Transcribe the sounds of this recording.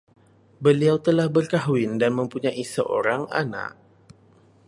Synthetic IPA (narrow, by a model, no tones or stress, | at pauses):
bəliawt̪əlahbərkaɦuwɪndanmə̃mpuɲaʔisəʔo̰ɾaŋa̰na̰k̚